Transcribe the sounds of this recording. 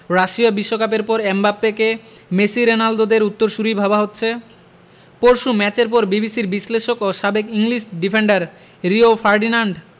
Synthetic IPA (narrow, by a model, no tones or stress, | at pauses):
ɾaʃiabiʃːokap̬eɾpɔɾembapːeke | mesiɾenald̪od̪eɾut̪ːoɾʃuɾijbʱabaɦotːɕʰe | poɾʃumɛt͡ɕeɾpɔɾbibisiɾbisleʃokoʃabekiŋliʃɖifʰeɳɖaɾ | ɾiofaɾɖinaɳɖ